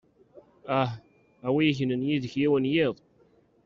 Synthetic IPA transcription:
æh | æwiiçənənjiðəçjiwənjiðˤ

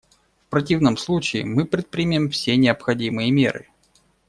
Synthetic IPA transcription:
fpɾɐt̬ʲivnəmslˠut͡ɕɪɪmɨpɾʲɪt̪̚pɾʲɪmʲɪmfsʲenʲɪəpxɐdʲimɨjəmʲḛɾɨ̰

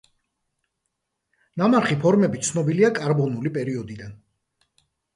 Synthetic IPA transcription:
namaɾχipʰɔɾmɛbit̪sʰnɔbiliakʼaɾbɔnulipʼɛɾiɔd̪id̪an

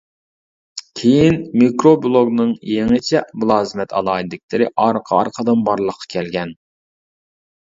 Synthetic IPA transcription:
kʲʰejinmikɾoblˠoɡnɨŋjeŋɪt͡ʃʰɛblˠɑːzmɛt̪ʰɑ̰lˠɑːid̪ɪkʲlɪɾɪʔɑɾqʰɑɑ̰ɾqʰəd̪ɨnbɑɾlˠəqʰːɑ̥kʲʰɛlɡʲɛn

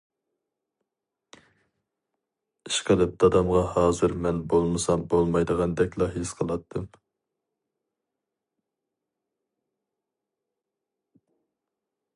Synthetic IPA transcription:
i̥ʃqəlˠɨp̚d̪ɑd̪ɑmʁɑhɑːzɨɾmɛnbolˠmɨsɑmbolˠmɑjd̪əʁɑnd̪ɛkʲlˠɑɦesqʰəlˠɑt̪ʰːɨm

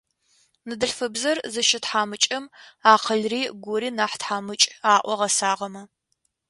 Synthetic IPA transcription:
nɨdɨɬfɨbzɐrzɨʃɪtħaːmɨt͡ʃʼɐmaːqʰəɮriːɡʷʊɾiːnaːħtħaːmɨt͡ʃʼaːʔʷɔʁɐsaːʁɐmɐ

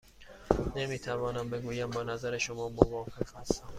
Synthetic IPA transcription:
nemiːt̪ʰævɒːnæmbe̞ɡuːjæmbɒːnæzæɾe̞ʃomɒːmovɒːfe̞qhæst̪æm

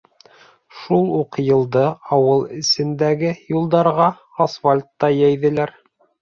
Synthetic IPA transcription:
ʃulˠuqjɤ̆lˠd̪ɤɑwɤlˠɘ̆sɘ̆nd̪æɡɘjulˠd̪ɑɾʁɑ | ɑsfalʲt̪ːɑjæjðɘ̆læɾ

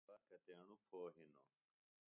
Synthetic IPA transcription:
akɐt̪aːnupʰoːɦinoː

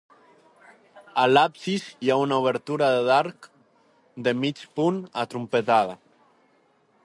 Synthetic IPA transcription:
alapsizjaunauβ̞eɾt̪uɾaðeðaɾk | d̪emit͡ʃpunat̪ɾumpet̪að̞a

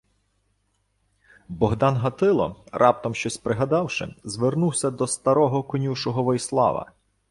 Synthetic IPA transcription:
bɔɦd̪ɑnɦɐt̪ɪlˠɔ̰rʔɑp̚t̪ɔmʃt͡ʃɔsʲpɾɪɦɐd̪ɑwʃɪ̰zʋernuwsʲɐd̪ɔst̪ɐɾɔɦɔkɔnʲuʃɔɦɔʋɔjslˠɑ̰ʋɐ̰

